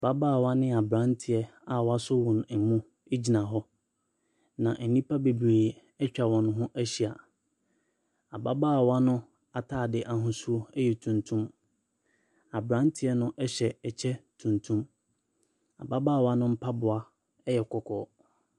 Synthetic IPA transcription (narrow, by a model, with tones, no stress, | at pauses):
ba˦baː˦˨wa˦nɪ̃˦a˨bɾã˨˦n˦tʰɪ˨ɛ˦a˨wɔ˨˦a˦sʊ˦wʊ̃˨n˨mũ˦ | e˦d͡ʑi˨nã˨ɦɔ˦ | nã˨ʔnĩ˦pʰa˦be˨bɾeː˨ | ɛ˦t͡ɕᶣa˨wɔ̃˨nʊ̃˦ɦʊ̃˦ʔæ˦ɕi˨a˨ | a˨ba˦baː˦˨wa˦nʊ̃˦ | a˨tʰaː˦˨dɪ˦ʔa˨ɦʊ̃˨su˦o˦ɛ˦jɛ˨tʰũ˨ntʰũ˦m | a˨bɾã˦ntʰɪ˦ɛ˦nʊ̃˦ʔɛ˦ɕɛ˨ɛ˨t͡ɕʰɛ˦tʰũ˨ntʰũ˦m | a̰˨ba˦baː˦˨wa˦nʊ̃˦m̩˦pʰa˦bʊ˨a˦ | ɛ˦jɛ˨kʰɔ˦kʰɔ̰˦˨